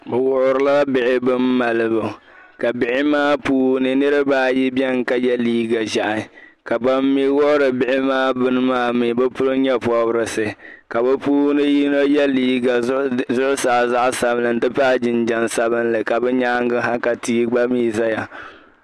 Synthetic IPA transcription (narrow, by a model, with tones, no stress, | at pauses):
bɨ˨wʊ˦ʔʊ˦ɾɨ˦la˦bɪ˨ʔɪ˦bɨ˦mː˦a˨lɨ˦bɨ˨ | ka˨bɪ˨ʔɪ˦maː˦puː˦nɨ˨nɨ˦ɾɨ˦baː˦˨ji˦bjɛ˦ŋ˦ka˦jɛ˦liː˦ɡa˨ʒa˨ʔa˨ | ka˨ba˦mːi˦wʊ˦ʔʊ˦ɾɨ˨bɪ˨ʔɪ˦maː˦bɨ˦nɨ˦maː˦mi˨˦bɛ˦pʊ˦lɨ˦ɲɛ˦pɔ˦bɾɨ˨sɨ˨ | ka˨bɛ˦puː˦nɨ˦ji˦no˦jɛ˦liː˦ɡa˨zʊ˦ʔʊ˦saː˨za˦ʔsa˨bnɨ˨n̩˨˦dɨ˦paː˦d͡ʒɪ˨nd͡ʒa˦nsa˦bɨ˦nlɨ˨ka˨bɛ˦ɲaː˦ŋ˦ɡɨ˦ɦa˦ka˨tiː˦ɡ͡ba˦miː˦za˦ja˨